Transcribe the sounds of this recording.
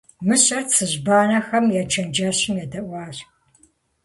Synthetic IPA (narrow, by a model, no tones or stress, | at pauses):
mɨɕʼɐrt͡sʰɨʑbaːnɐxɐmjat͡ʃʰɐnd͡ʒɐɕɪmjɛdɐʔʷɑːɕ